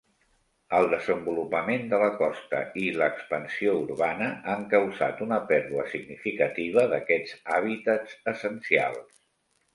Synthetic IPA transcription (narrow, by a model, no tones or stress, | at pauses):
əlˠd̪əzəmbulupəmend̪ələkɔst̪ə̰iləːkspənsiouɾβanəaŋkəwza̰t̪unəpɛɾðuəsiɡnifikət̪iβ̞əðəkɛd͡zaβ̞it̪əzəsənsia̰lˠs